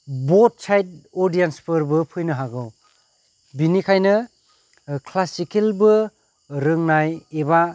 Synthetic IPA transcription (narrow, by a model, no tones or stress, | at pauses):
bot̚ːt͡ʃajt̚ɔdijenspʰɯɾbɯpʰɯjnɯɦaɡɯw | binikʰajnɯ | kʰlasikelbɯ | ɾɯŋnajeba